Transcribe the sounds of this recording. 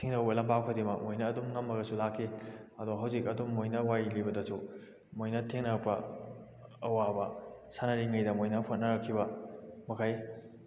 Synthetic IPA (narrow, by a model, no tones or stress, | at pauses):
tʰiŋnɐwbɐlɐmpawkʰadimɐkmojnɐːdumŋɐmːɐɡɐsulakʰːiɐdoɦawzikɐdumːojnɐwaɾilibɐdɐsu | mojnɐtʰeŋnɐɾɐk̚pɐ | ɐwabɐ̰sanɐɾiŋɐjdɐmojnɐpʰot̚nɐɾɐkʰːibɐmɐkʰaj